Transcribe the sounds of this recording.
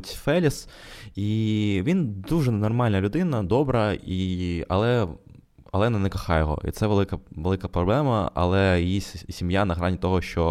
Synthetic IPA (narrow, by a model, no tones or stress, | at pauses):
tʲfɛlʲisiʋʲind̪uʒɛnɔrmɑlʲnɐlʲʊd̪ɪnɐd̪ɔbɾɐiɐ̰lˠɛ | ɐ̰lˠɛnɐnɛkɐxɑjɔɦɔ̰ʔḭt̪sɛʋelˠɪkɐʋelˠɪkɐpɾɔblˠɛmɐɐ̰lˠɛjjisʲimjanɐɦɾɑnʲit̪ɔɦɔʃt͡ʃɔ